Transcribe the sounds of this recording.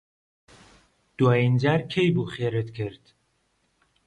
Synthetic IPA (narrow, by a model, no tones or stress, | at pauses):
d̪̥uɑind͡ʒæɾkʲʰejbuχeɾet̪kʰeɾd̪̥